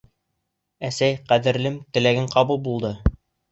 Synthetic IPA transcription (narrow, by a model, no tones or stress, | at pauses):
æsæjqæðɘ̆ɾlɘmt̪ɘ̆læɡɘɴqɑbulˠbulˠd̪ɤ